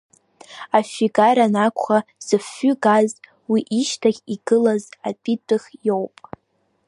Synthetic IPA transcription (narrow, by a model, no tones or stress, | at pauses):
afiɡaɾanakʷʰʼχaz̥ɨfːʏɡaz | wiʔiʃtʰaχʲiɡɨlaza̰pʰʼitʼɨχjowpʼ